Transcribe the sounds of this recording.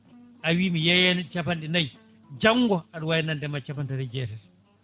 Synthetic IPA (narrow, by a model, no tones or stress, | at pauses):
ʔawimijajant͡ʃapanɗinaj | d͡ʒaŋɡɔaɗuwajɛnandɛmat͡ʃapantadad͡ʒɛtɛɾ